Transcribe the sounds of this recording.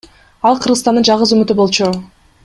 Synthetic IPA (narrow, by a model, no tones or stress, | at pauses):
ɑlˠqʰɯɾʁəzt̪ɑnd̪ɯnd͡ʒɑʁəzømyt̪ybo̞lˠt͡ʃu